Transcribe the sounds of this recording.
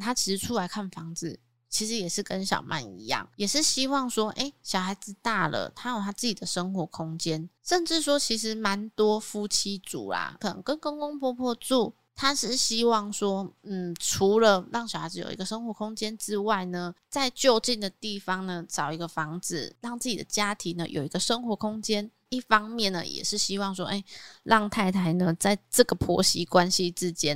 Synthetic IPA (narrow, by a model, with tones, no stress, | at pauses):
t̪ʰa˦˥t͡ɕʰi˧˥ʂ̩˧˦ʈ͡ʂʰu˥la˧˥ɪkʰa˥˩nfɑ˧˥ŋd͡z̩˨ | t͡ɕʰi˧˥ʂɻ̩˧˦jɛ˨˩ʂɻ̩˥˩kə˦nɕjɑ̰˨˩ʊmʔa̰˥˩nḭ˧˥jɑ̰˥˩ŋjɛ˨˩ʂɻ̩˥˩ɕi˥wɑ˥˩ŋʂwɔ˥ʔe˥˩ɪɕjɑ˨˩ʊxa˧˥ɪd͡z̩˨t̪a˥˩lʔə̰˩t̪ʰa˥jo˨˩t̪ʰa˦˥t͡sɹ̩˥˩t͡ɕi˨˩d̪ə˩ʂə˥ŋxwɔ˧˥kʰʊ˥ŋt͡ɕjɛ˦nʂə˥˧nʈ͡ʂɻ̩˥˩ʂwɔ˥t͡ɕʰi˧˥ʂ̬ɻ̩˧˥˦ma˧˦nt̪wɔ˥fu˥t͡ɕʰi˥t͡sṵ˨˩la̰˨˩kʰɤ˨˩nə̰˧˦ŋkə˦˥nko˥˧ŋko˥ŋpʰwɔ˥˧pʰwɔ˥˧t͡su˥˨˩ | t̪ʰa˥ʂɻ̩˥˩ɕi˥wɑ˥˩ŋswɔ˥n̩˥˨˩ʈ͡ʂʰu˨˧˥lə˧ɻɑ˥˩ŋɕa˨˩a˧˥˩jo̰˨˩ʊḭ˧˦ɡə˧ʂə˥ŋxwɔ˧˥kʰʊ˥ŋt͡ɕjɛ˥nʈ͡ʂɻ̩˥wa˥˩ɪnə˩t͡sa˥˧ɪt͡ɕjo˥˧ʊt͡ɕi˥˩nd̪ə˩t̪i˥˩fɑ˧ŋnə˨ʈ͡ʂɑ˨˩ʊi˧˥ɡə˧fɑ˧˥ŋt͡sɹ̩˨˩ɻɑ˥˧ŋt͡s̩˥˩t͡ɕi˨d̪ə̰˩˦t͡ɕja˥t̪ʰi˧˥nə̰˧jʔo̰˨˩ʊi˧˥ɡə˧ʂə˥ŋxwɔ˧˥kʰʊ˥ŋt͡ɕjɛ˥n | i˥˩fɑ˥ŋmjɛ˥˨nːə̰˩jɛ̰˨˩ʂɻ̩˥˩ɕi˦˥wɑ˥˧ŋʂ̬wɔ˥ʔe˥˩ɪlʔɑ˥˧ŋt̪ʰa˥˩ɪt̪ʰa˧˥ɪnə˧t͡sa˥˩ɪʈ͡ʂə˥˩ɡə˩pʰɔ̰˧˦˥ɕi˦kwa˦nɕi˦ʈ͡ʂɻ̩˥˦t͡ɕjɛ˥˦n